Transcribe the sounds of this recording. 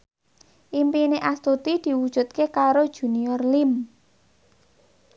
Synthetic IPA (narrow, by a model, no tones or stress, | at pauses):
ʔimpineʔast̪ut̪id̪̥i̤wud̥ʒ̥ṳt̪̚kekaɾod̥ʒ̥ṳniɔrlim